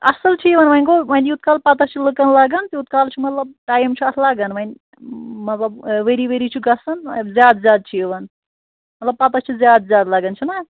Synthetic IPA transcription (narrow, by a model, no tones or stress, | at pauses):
ɐ̰sɐlt͡ʃʰieʋɐnʋɐnʲkomɐniut̪̚kaːlpat̪ɐt͡ʃʰilɨkənlaːɡɐnt̪iut̪kaːlt͡ʃʰimɐt̪lɐb̚ʈaːjimt͡ʃʰiɐt̪ʰlaːɡənʋɐnʲ | mɐt̪lɐbʋeɾiʋeɾit͡ʃʰuɡɐsɐnzʲjaːd̪zʲjaːd̪̚t͡ʃʰieʋɐn | mɐt̪lɐbpat̪ɐt͡ʃʰizjaːd̪zʲjaːd̪laːɡənt͡ʃʰina